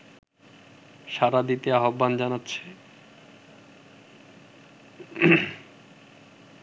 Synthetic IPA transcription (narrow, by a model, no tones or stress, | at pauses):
ʃaɾad̪it̪eaɦobːand͡ʑanatːɕʰe̥